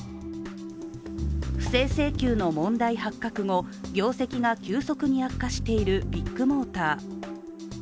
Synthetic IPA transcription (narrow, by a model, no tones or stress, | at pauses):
ɸɯ̟̥se̞ːse̞ːkʲɨːno̞mõ̞nd̪aihakːakɯ̟ŋo̞ɡʲo̞ːse̞kʲiɡakʲɨːso̞kɯ̟ɲ̟iakːaɕi̥t̪e̞iɾɯ̟bʲikːɯ̟mo̞ːt̪aː